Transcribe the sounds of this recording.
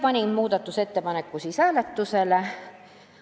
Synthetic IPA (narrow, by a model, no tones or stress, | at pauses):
pɑnʲinmuːd̪̥ɑt̪ːuse̞t̪ːe̞pɑnekːusisæːlet̪ːusele